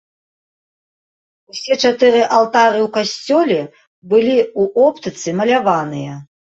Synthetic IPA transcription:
usʲɛt͡ʂat̪ɨɾɨʔalˠt̪aɾɨwkasʲt͡sʲɔlʲɛ | bɨlʲiuʔɔpt̪ɨt̪sɨmɐlʲavanɨjɐ

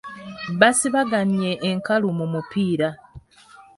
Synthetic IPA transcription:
βasiβaɡanjeʔːŋkalumumupiːɾa

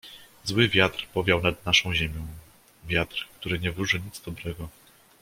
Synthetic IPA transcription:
zwɘvʲjat̪ɾpɔvʲjawnad̪naʂɔ̃w̃ʑɛmʲjɔ̃w̃ | vʲjat̪ɾkt̪uɾɘɲɛvɾuʐɘɲid̪zd̪ɔbɾɛɡɔ

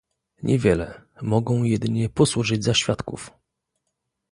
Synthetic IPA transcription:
ɲʔɛvʲjɛlɛmɔɡɔ̃w̃jɛd̪ɘɲɛpɔswuʐɘd͡ʑzaɕfʲjat̪kṵf

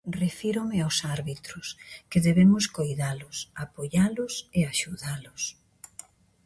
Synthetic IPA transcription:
refiɾomɪawsaɾβit̪ɾʊskeðeβemʊskojðalʊsapoʎalʊseaʃuðalʊs

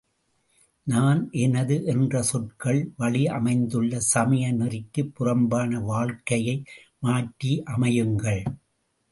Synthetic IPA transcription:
naːnʔɛnɐðɯʔɛndrɐsɔʈ̚kɐɭʋɐɭiɐmɐɪnd̪ɯɭːɐsɐmɐjɐnɪrɪkːɯpːʊrɐmbaːnɐʋaːɭkɐjɐɪ | maːʈːiʔɐmɐjɯŋɡɐɭ

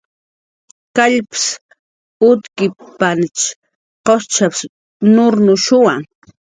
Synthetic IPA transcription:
kaʎpɪ̥s | ʊt̪kɪpant͡ʃ | qost͡ʃaps | nʊɾnʊʃʊwaŋ

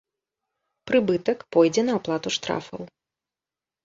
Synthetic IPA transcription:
pɾɨbɨt̪ɐkpɔjd͡zʲɛnɐaplˠat̪uʂt̪ɾa̰fɐ̰w

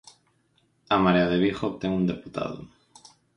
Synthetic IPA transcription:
amaɾeaðeβiχot̪eŋund̪eput̪a̰ðo̰

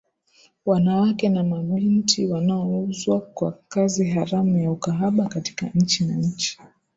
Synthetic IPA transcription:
wanawakɛnamaɓintiwanaɔuzwakwa̰kaziɦaɾamujaukaɦaɓakati̥kaɲ̩t͡ʃinaɲ̩t͡ʃi̥

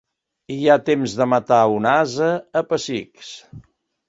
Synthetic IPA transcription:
iat̪emzðəmət̪aunazəːpəsiks

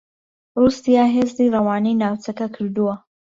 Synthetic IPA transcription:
ruːsijaːɦeːzd̪irɐwaːnijnaːwt͡ʃɐkɐkʰɨɾd̪uwɐ

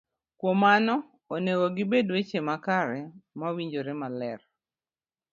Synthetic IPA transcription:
kwomanɔ | onewoɡɪbedwet͡ʃemakaɾɛmawiɲd͡ʒoɾemalɛr

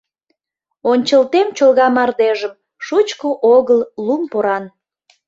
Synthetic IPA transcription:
onʲt͡ɕəlt̪emt͡ɕolɣɑmɑrd̪eʒəm | ʃut͡ɕkoʔoɣəllumpoɾɑn

